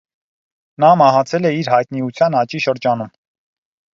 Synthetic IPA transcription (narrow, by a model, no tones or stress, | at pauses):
nɑmɑɦɑt͡sʰɛlɛiɾɦɑjt̪̚niut͡sʰjɑnɑt͡ʃiʃəɾd͡ʒɑnum